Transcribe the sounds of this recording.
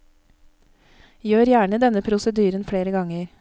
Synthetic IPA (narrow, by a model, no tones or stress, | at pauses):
jøːɾjæːɳəd̪ɛnəpʰɾʊsəd̪yːɾənfɽeːɾəɡɑŋəɾ